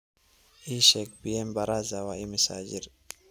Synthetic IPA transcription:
iʃɛk̚bijɛmbaɾazawaʔimisad͡ʒiɾ

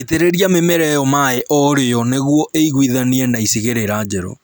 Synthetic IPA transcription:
eteɾeɾiamemɛɾɛjɔmaɛʔɔɾejɔneɣwɔʔeiɣwiðaniɛnaisiɣeɾeɾad͡ʒɛɾo̰

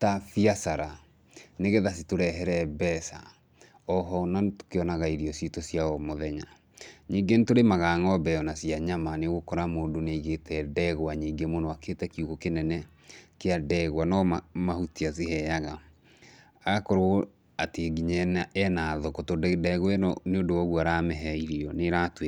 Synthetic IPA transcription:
tafiasaɾa | neɣeðasitoɾɛɦɛɾɛbɛsa̰ | ɔɦɔnanto̥keɔnaɣaiɾiɔsitosjaɔmoðɛɲa | ɲiːŋɡentoɾemaɣaŋɔbɛɔnasiaɲamaneɣokɔɾamoːdoneiɣetʰɛdɛɣwaɲiːŋɡemonɔaketɛkiuɣokenɛnɛ | keadɛɣwanɔamahutiaseɦɛjaɣa | aɣakoɾo | ateɡiɲɛɛnaðokotodɛɣwɛneodoɔɣuaɾamɛɦɛiɾiɔneɾatwe

